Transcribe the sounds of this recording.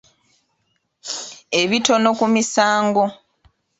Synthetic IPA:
e̞βito̞no̞kumisaːŋɡo̞

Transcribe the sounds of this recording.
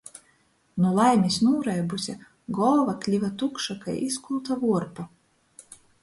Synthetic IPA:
nulˠajmʲisnuːɾajbusʲa | ɡɔlˠvaklʲivat̪ukʃakajʔiskulˠt̪avuɔɾpa

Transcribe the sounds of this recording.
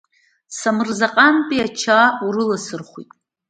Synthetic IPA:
samɨrzaqʼanpʼiat͡ʃʰauɾɨlasɨrχʷḭtʼ

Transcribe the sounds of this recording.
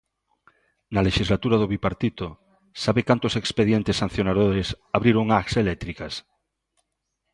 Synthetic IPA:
naleʃizlat̪uɾaðoβipaɾt̪it̪o | saβekant̪osekspeðjent̪esːan̟θjonaðoɾes | aβɾiɾoŋakselɛt̪ɾikas

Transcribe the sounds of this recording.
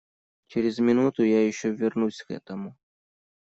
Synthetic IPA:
t͡ʃɛɾʲɛzmʲinut̪ʊjajiʃt͡ʃɔvʲɐrnusʲɣɛ̰t̪ɐmʊ

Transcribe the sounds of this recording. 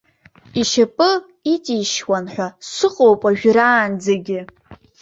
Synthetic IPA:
iʃapʼɨ | itʼiːʃwanħʷᶣasɨqʼowpʼaʒᶣɾaːnd͡zaɡʲɪ

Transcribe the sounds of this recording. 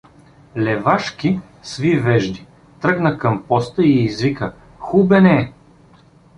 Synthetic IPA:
lɛvaʃkʲi | svivɛʒd̪i | t̪ɾɤɡnəkɐmpɔst̪əiːzvikə | xubɛnɛ

